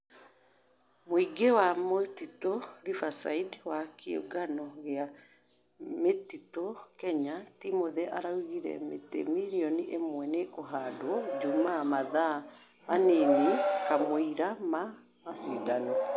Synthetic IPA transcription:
moiɡewamotitoɾifasaidwakeo̰ɡanɔɣea | metitokɛɲatimoðɛʔaɾauɣiɾɛ̰mḛtḛmiɾiɔniʔemwɛneʔoɦadwɔd͡ʒumamaða | manenikamoiɾama | masiːdanɔ

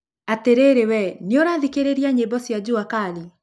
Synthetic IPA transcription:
ateɾeɾewɛneoɾaðikeɾeɾiaɲebɔsjad͡ʑuakali

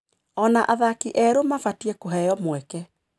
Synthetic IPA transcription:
ɔnaʔaðakiʔɛɾomafatiɛkoɦɛjɔmwɛkɛ

